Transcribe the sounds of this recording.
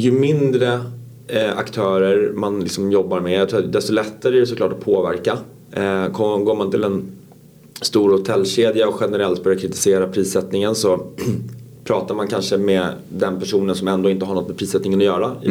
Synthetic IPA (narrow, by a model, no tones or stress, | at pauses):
jɵmɪnd̪ɾə | a̰kt̪ʰœːɾəɾmanlɪksɔmjɔbːaɾmɛjɑt̪ʰɾuːad̪ɛst̪ɔlɛt̪ːaɾəæɖɛsɔklɑ̰ːʈːɔpʰoːvæ̰ɾka | kʰɔɡoːɾmant̪ɪlɛn | st̪uːɾhʊt̪ʰɛlːɕeːd̪jaɔɧɛnəɾɛlt̪̚bœɾjakʰɾɪt̪ɪ̥seːɾapʰɾiːsɛt̪nɪŋənsɔ | pʰɾɑːt̪aɾmankʰanʂəmɛd̪ɛnpʰæʂuːnənsɔmɛnd̪oːɪnt̪əɦaɾɳɔt̪ːmɛpʰɾiːsɛt̪nɪŋənɔjœːɾa